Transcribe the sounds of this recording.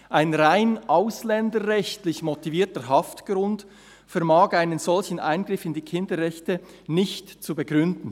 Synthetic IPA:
ʔaɪnʁaɪnʔaʊslɛndəʁɛçtlɪçmɔtiviːtəɦɑftɡ̥ɾʊnt | fɛɐmaːkaɪnənzɔlçən̩ʔa̰ɪnɡʁɪfɪndiːkʰɪndəʁɛçtə | nɪçtt͡subəɡʁʏndn̩

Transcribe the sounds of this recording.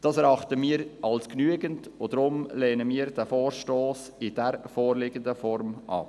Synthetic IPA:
d̥ɑːsɛɾɑχtəmiːəɾʔɑlsknyəɡəntod̥ɾʊmleːnəmiːəɾdæfoːɾʃtoːs | ɪdɛɾfoːɾlɪɡəndəfɔɾmʔɑ̰

